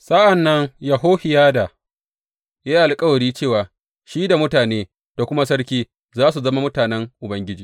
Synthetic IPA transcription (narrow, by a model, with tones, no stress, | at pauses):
sɐ˦ʔa˨nːɐ˦ŋjɐ˨ɦoː˦ɸɪ˨jaː˦da˨ | jaː˦ʔa˨lkʼɐ˦wɐ˨ɽiː˦t͡ʃeː˦˨waː˨ | ʃiː˦da˨mʊ˦taː˨neː˦ | d̥a˨kʷʊ˦ma˦sɐ˦ɽkʲiː˦ | zaː˦s̬u˨zɐ˦ma˦mʊ˦taː˨nɛ˦ŋʔʊ˨bɐ˦ŋɡʲɪ˦d͡ʒiː˨